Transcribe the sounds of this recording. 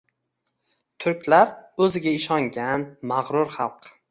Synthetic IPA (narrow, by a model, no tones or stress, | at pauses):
t̪ʰʊɾkʲlaɾɵzɪɡʲaɪʃɒŋɡʲanmaʁɾʊɾχɑlˠq